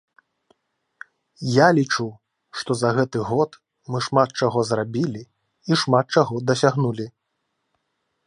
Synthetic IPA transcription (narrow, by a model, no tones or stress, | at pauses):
jalʲit͡ʂu | ʂt̪ɔzɐɣɛt̪ɨɣɔt̪ | mɨʂmat̪̚t͡ʂaɣɔzrabʲilʲi | iʂmat̪̚t͡ʂaɣɔd̪ɐsʲaɣnulʲi